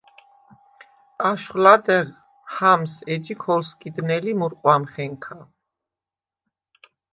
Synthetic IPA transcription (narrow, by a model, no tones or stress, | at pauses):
aʃχlad̪ɛʁ | hamsɛd͡ʒikʰɔlskʼid̪nɛlimuɾqʼwamχɛŋkʰa